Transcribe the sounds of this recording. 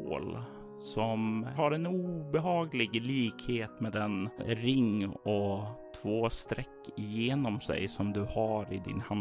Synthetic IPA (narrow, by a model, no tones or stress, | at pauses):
o̰ːl | sɔmɦaɾɛnuːbɛɦɑːɡlɪɡliːkheːt̪mɛːd̪ɛnɾɪŋːɔt̪ʰvoːst̪ɾɛkːɪjeːnɔmsɛ̰jsɔmd̪ɵhɑɾɪd̪ɪ̰nhan